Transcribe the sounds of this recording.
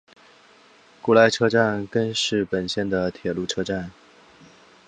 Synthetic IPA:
ku˥˩la˧˥ɪʈ͡ʂʰɤ˥ʈ͡ʂa˥˧nkə˥nʂɻ̩˥˩pə˨˩nɕjɛ˥˩nd̪ə˩t̪ʰjɛ˨˩lu˥˩ʈ͡ʂʰɤ˥ʈ͡ʂa˥˩n

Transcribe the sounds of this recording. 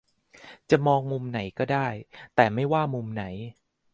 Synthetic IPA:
t͡ɕa˨˩mɔː˧ŋmu˧mna˩˦jkɔː˥˩daː˥˩jt̪ɛː˨˩ma˥˩jwaː˥˩mu˧mna˩˦j

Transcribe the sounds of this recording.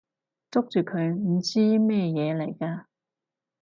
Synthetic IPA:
t͡sʊ˥k̚t͡ʃyː˨kʰɵ˨˧ɥm̩˨˩t͡siː˥mɛː˥jɛː˨˧le˨˩jkaː˧

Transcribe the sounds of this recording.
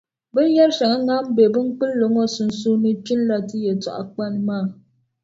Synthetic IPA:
bɨ˦n˦ja˦ɾʃa˨ŋa˦ŋa˦m˦be˨bɨ˦ŋ˦k͡pɨ˦lːo˨ŋo˦sʊ˦nsuː˦nɨ˦t͡ʃɪ˦n˦la˨ti˦je˨tʊ̰˨ʔa̰˨k͡pa˦n˦maː˦˨

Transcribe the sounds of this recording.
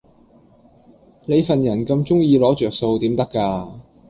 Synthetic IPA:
le˨˧jfɐ˨njɐ˨˩nkɐ˧mt͡sʊ˥ŋjiː˧lɔː˨˥t͡ʃœː˨k̚so˧wt̪iː˨˥mt̪ɐ˥kːaː˧

